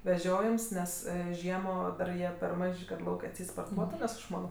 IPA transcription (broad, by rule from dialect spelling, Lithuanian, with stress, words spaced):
ʋʲɛˈʒʲoːjɛms ˈnʲɛs ˈʒʲiɛmoː dɐr ˈjiɛ pʲɛr ˈmɐʃʲ kɐ ˈlˠɐʊkʲ ɐtʲˈsʲɛɪt spoːrˈtuɔtʊ nʲɛs ɐʃ ˈmɑːnoː